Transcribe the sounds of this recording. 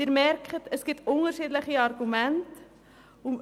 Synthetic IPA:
irmærkχətʰəsɡ̥itʰʊŋərʃiːdləχiɑrɡumænt | um

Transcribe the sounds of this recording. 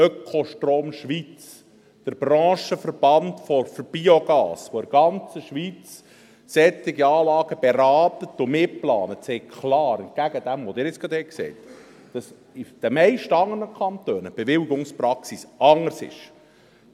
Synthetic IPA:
œkʰoʃtroːmʃʋit͡s | d̥əɾb̥ɾɑ̃ːʃəfərb̥ɑntfɔɾfərb̥ioɡɑ̰ːsʋoɪɾɡ̥ɑnt͡səʃʋit͡s | sɛt̪ːɪɡiɑːlɑːɡ̥əb̥eɾɑːtət̪ːʊmɪplɑ̰ːnətsɛːkkʰlɑːɾən̚ɡ̥æɡəd̥̪æmʋod̪ɪːɾɪt͡sɡ̥ɾɑd̪̥hɛksɛ̰ɪt | d̥ɑs | id̥əmɛɪʃtɑŋːərnəkʰɑnt̪øːnəb̥ɛʋɪlɡʊŋsprɑksisɑŋəɾsɪ̰ʃ

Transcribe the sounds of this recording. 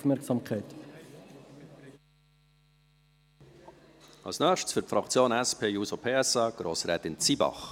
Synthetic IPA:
fmɛɾksɑmkʰɛɪt | ʔɑ̰lsnœːχʃtsfʏɾtfɾɑkt͡sjoːnɛspʰeːjuːsopʰeːɛsɑːɡ̥ɾoːsɾɛːt̪ɪnt͡siːbɑ̰χ

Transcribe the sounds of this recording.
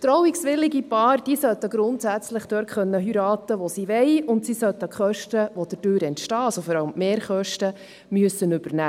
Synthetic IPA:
t̪ɾɔwiksʋɪlɪɡipɑːrd̥iːsœt̪əɡ̥ɾʊnt̪sæt͡slɪχd̥øːɾtχœnːəɦyɾɑːt̪əʋosiʋɛɪʊntsisœt̪əkχœʃtəʋod̪ətøːɾɛntʃtɑːɑsofɔɾɑlmːeːɾχœʃtə | myəsːənʏb̥ərnæː

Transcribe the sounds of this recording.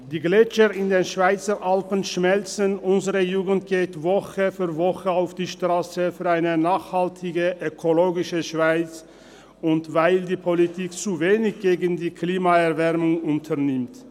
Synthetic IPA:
d̥iːɡlɛt͡ʃəʁɪndeːnʃv̥aɪt͡səʁʔalpənʃmɛlt͡sənʊnzəʁəjuːɡən̩tɡ̥eːtvɔχəfyɐvɔχəaʊfd̥iːʃtʁ̥aːsəfyːɐaɪnənaːχhaltʰɪɡəʔøkʰoloːɡɪʃəʃv̥aɪt͡s | ʊntvaɪldiːpʰolitʰiːkt͡suveːnɪçɡ̥eːɡəndiːkʰliːmaɛɐʁvɛʁmʊŋʊntʰəʁnɪmt

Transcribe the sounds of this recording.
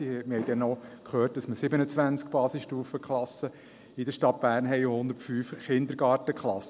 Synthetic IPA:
mɪhɛɪdɛnːɔkχøːrt̚d̥ɑsməsɪbənət͡sʋænt͡skb̥ɑːsɪsʃtuːfəkχlɑsə | id̪əʃtɑt̚b̥æːɾnɦɛɪohʊnd̪əɾtfyːfχɪnd̪əɾɡɑːrtəkχlɑs

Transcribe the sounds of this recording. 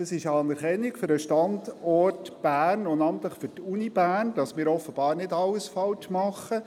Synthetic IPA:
d̥ɑsɪʃɑːnɛɾχɛnːikfʏɾəʃtɑndɔrtb̥æːnʊndɑmt̪ləχfʏɾtunib̥æːnd̥ɑsmɪːɾɔfəb̥ɑːɾnɪdɑlːəsfɑltmɑχə

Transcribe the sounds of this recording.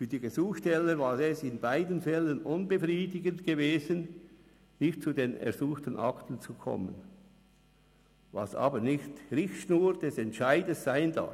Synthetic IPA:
fyːɐd̥iːɡezuːxʃtɛləvaːɾɛsɪnbaɪdənfɛlənʊnbəfriːdɪɡəntɡ̥eveːzən | nɪxt̚t͡sudeːnɛ̰ɐzuːxtənʔɑ̰ktənt͡sukʰɔ̰mə̰n | vɑ̰sɑ̰ːbənɪçtʁɪçʃnuːɾd̥ɛsɛntʃaɪdəsːaɪnd̥a̰f

